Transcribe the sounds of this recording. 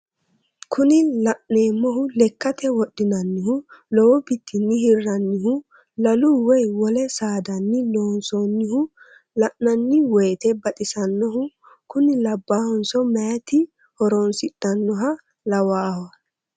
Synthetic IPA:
kʰʊnɪlɐʔneːmːɔɦʊlɛkːɐt̪ɛwɔɗːɪnɐnːɪhʊlɔwɔbɪt̪ʰːɪnːɪhɪrːɐnːɪhʊ | lɐlʊwɔjwɔlɛsaːd̪ɐnːɪloːnsonːɪhʊ | lɐʔnɐnːɪwejːt̪ɛbɐt̪ʼɪsɐnːɔhʊ | kʊnɪlɐbːahɔnsɔmɛjɐt̪ɪ | hɔɾonsɪɗɐnːɔɦɐ | lɐwaːhɔ

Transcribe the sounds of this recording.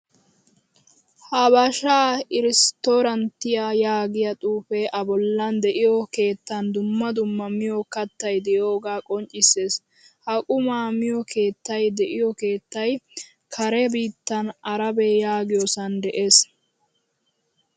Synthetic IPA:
hɐbɐʃaːɪɾɪst̪oɾɐnt̪ːɪjajaːɡɪjɐt̪ʼuːfeʔɐbɔlːɐnd̪ɛʔɪjɔke̞ːt̪ːɐnd̪ʊmːɐd̪ʊmːɐmɪjɔkɐt̪ːɐjd̪ɛjo̞ːɡaːkʼɔnt͡ʃʼːɪse̞ːs | hɐkʼʊmaːmɪjɔkʰe̞ːt̪ːɐjd̪ɛʔɪjɔke̞ːt̪ːɐj | kʰɐɾɛbiːt̪ːɐnɐɾɐbejaːɡɪjɔsɐnd̪ɛʔeːs

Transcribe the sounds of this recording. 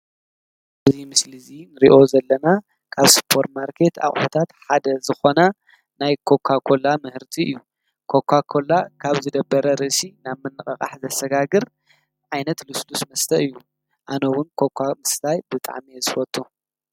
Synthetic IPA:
ʔɨzimɨslɨzinɨɾiʔo̞zɐlːɐna | kʰaβspʰo̞ɾt̪maɾkʰe̞t̪a̰χʼħot̪ʰat̪ħad̪ɐzɨxo̞na | najkʰo̞kʰakʰo̞lamɨhɨɾt̪ʰiɨjːu | kʰo̞kʰːakʰo̞lakʰaβzɨd̪ɐbːɐɾɐɾɨʔsinaβmɨnːɨχʼɐχʼa̰ħzɐsɐɡaɡɨɾ | ʕajnɐt̪luslusmɐst̪ʰɐʔɨjːu | ʔanɐwʊnkʰo̞kʰamɨst̪ajbɨt̪ʼa̰ʕmiezɨfɐt̪ʼu

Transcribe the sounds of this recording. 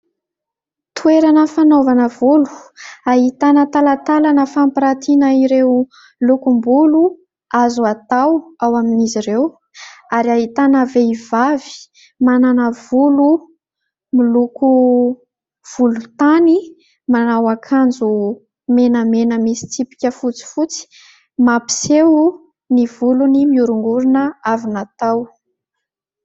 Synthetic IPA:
t̪ʰueɾanəfanovanəvulu̥aɦit̪anət̪alat̪alanəfampiɾat̪ʰinaiɾew | lukumbulu | azuat̪awawaminiziɾew | aɾiaɦit̪anəveivavi̥ | mananəvulu | miluku | v̥ulut̪ani | manawakʰand͡zu | menəmenəmisi̥t͡s̪ipi̥kʲəfut͡si̥fut͡si̥ | mapi̥sewu | nivulunimiuɾuŋɡuɾunəavinat̪aw

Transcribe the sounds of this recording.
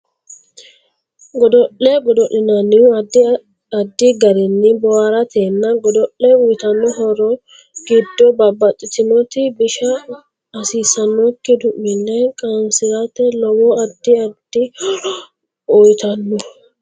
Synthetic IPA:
ɡɔd̪ɔʔɛɡɔd̪ɔʔɪnɐnɪd | ɐd̪ːɪɡɐɾɛnːɪbɔwaɾɐt̪ʰeːnːɐɡɔd̪ɔʔːɛʊjt̪ɐnːɔɦɔɾɔ | ɡ̥ɪd̪ːɔbɐbɐtʼːɪt̪ɪnɔt̪ɪbɪʃɐː | siːsɐnːɔkːɪd̪ʊʔːɪnːɛkʼansɪzɐt̪ɛlɔwɔɐd̪ːɪɐd̪̥ɪ | ɔjt̪ɐnːɔ

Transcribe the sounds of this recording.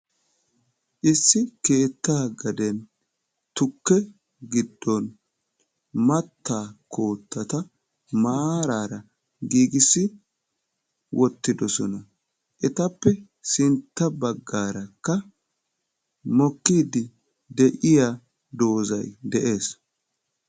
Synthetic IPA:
ʔɪsːɪke̞ːt̪ːaːɡɐd̪ɛn | t̪ʊkːɛ | ɡɪd̪ːɔn | mɐt̪ːaːkʰo̞ːt̪ːɐt̪ɐ | maːɾaːɾɐ | ɡiːɡɪsːɪ | wʔɔt̪ːɪd̪ɔsɔnɐ | ʔɛt̪ɐpːɛ | sɪnt̪ːɐbɐɡːaːɾɐkːɐ | mɔkːiːd̪ɪ | d̪ɛʔɪjaː | d̪o̞ːzɐjd̪ɛʔe̞ːs

